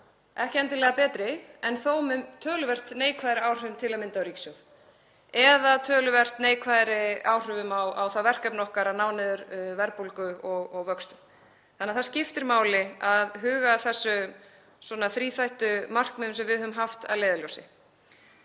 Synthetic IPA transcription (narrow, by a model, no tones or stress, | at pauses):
ʔɛhcɪɛjnt̪ɪlɛːɣapɛːt̪ɾɪɛnθowmʏmt̪ʰœːlʏvɛr̥t̪neːjkʰvajɾɪaːwr̥ʏmt̪ʰɪlaðmɪnt̪aœɾiksʏð | ɛðat̪ʰœːlʏvɛr̥t̪neːjkʰvaːjɾɪawr̥ʏvʏmawawθavɛr̥kœpnɔhkaɾanaːwnɪðʏɾvɛɾpolkʏɔɣɔɣvœkst̪ʏ̥ | θanːɛaðθaɾscɪft̪ɪɾmaːwlɪaðɦʏːɣaθɛsːʏ | swɔnaθɾiːθajht̪ʏmar̥kmɛnʏmsɛmvɪðhœʏmɦaft̪a̰ðleːðɪlɔwsɪ